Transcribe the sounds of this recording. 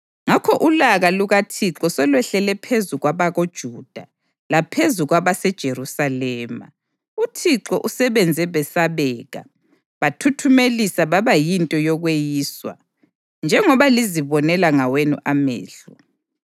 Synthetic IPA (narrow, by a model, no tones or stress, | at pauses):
ŋakʰɔʔulaɣaluɣatʰiǁɔsɔlwɛɬɛlɛpʰezuɣwaβaɣod̥ʒ̥ʱuːd̥ʱa | lapʰezuɣwaβasɛd̥ʒ̥ʱerusalɛːma̰ | utʰiǁɔʔusɛβɛnd͡zʱɛβɛsaβɛːɣa̰ | βatʰutʰumelisaβaβajintʼɔjɔɣwejiːswa̰ | nd͡ʒʱɛŋɔβaliziβɔnɛlaŋawenṵʔamɛ̰ːɬɔ